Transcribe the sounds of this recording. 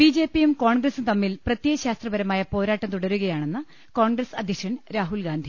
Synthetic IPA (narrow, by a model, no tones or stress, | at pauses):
b̥iːd͡ʑe̞ːpːijumkoːɳɡrɐsint̪ɐmːilprɐt̪jeɐɕaːst̪rɐbɐɾɐmaːjɐpo̞ːɾaːʈːɐmt̪uɽɐɾuɣɐjaːɳe̞nːɨ | ko̞ːɳɡɾɐsɐd̪ʱjɐkʂɐnɾaːɦulɡaːnd̪ʱi